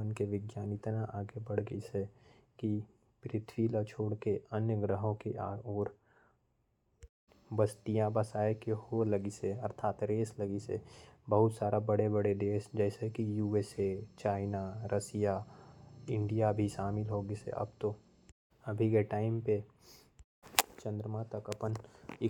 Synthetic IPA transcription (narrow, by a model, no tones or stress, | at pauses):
ənkeʋɪɡjaːnɪt̪naʔaːɡebɐɽɡəse | ki | pɾɪt̪ʰwiːlat͡ʃʰoːɽkeənjəɡɾəɦõkeʔaːɔːɾ | bəsʈijãbɐsaːekeholəɡiseɐɾt̪ʰaːt̪ɾeːsləɡisḛbəɦʊt̪saːɾabəɽebəɽed̪eːʃd͡ʒɛːsekijuːeːset͡ʃaːɪnaɾʔɐsija | ɪ̃ɳɖijabʱiʃaːmɪlɦoːɡesḛʔɐ̰bt̪o | ɐbʱikeʈaːɪmpe | t͡ʃə̃nd̪ɾəmãt̪ɐkɐpənɪ